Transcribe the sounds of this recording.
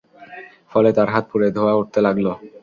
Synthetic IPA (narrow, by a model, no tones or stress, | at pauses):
fɔlet̪aɾɦat̪̚puɾed̪ʱoauʈ̚t̪elaɡlo